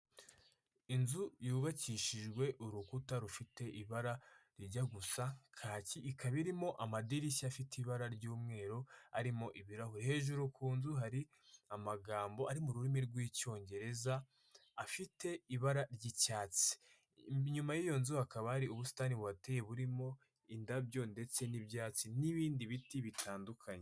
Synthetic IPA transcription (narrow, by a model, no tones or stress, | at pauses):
inzujuːβaciʃid͡ʒɡwe̞ʔuɾukutaɾufite̞ʔiβaɾaɾiɾɟaɡusakʰaːciʔːkʰaβiɾimo̞ʔamadiɾisafiteiβaɾaɾɟuːmŋe̞ːɾo̞aɾimo̞ʔiβiɾahuɾihe̞ːʒuɾukʰuːnzuɦaɾi | amaɡaːmbo̞aɾimuɾuɾimiɾɡwiːco̞ːɲɟe̞ɾe̞zaː | fite̞iβaɾaɾɟicaːt͡si̥ | ɲumajijo̞nzuhakaβahaɾiuβusi̥taniβuateje̞βuɾimo̞ | indabjo̞nde̞t͡se̞nibjaːt͡siniβiːndiβitiβitʰaːndukʰaɲe